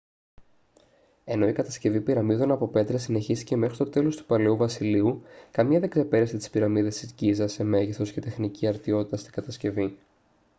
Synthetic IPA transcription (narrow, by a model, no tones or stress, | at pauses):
e̞no̞ikɐt̪ɐsce̞vipiɾɐmiðonɐpo̞pe̞t̪ɾɐsine̞çist̪i̥ce̞me̞xɾit̪o̞t̪e̞lo̞st̪u̥pɐleuvɐsiliukɐmɲɐðe̞ɡ̥se̞pe̞ɾeset̪i̥spiɾɐmiðe̞st̪iscizɐseme̞ʝisθo̞sce̞t̪e̞xniciɐɾt̪io̞t̪it̪ɐst̪i̥ŋɡ̥ɐt̪ɐsce̞vi